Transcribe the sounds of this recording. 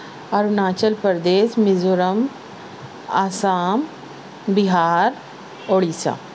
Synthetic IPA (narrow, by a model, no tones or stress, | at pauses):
ɐɾunaːt͡ʃəlpəɾd̪eːsmɪzʊɾəm | a̰ːsaːm | bɪɦaːɾ | oːɽiːsa̰ː